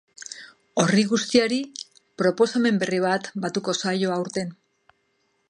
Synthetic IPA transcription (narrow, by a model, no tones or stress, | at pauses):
o̞riɣust̪iaɾi | pɾo̞po̞same̞mbe̞riβ̞at̪bat̪uko̞sajo̞awɾt̪e̞n